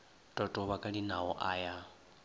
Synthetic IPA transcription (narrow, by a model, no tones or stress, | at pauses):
tʼɔtʼɔβakʼaɺinaɔʔaːja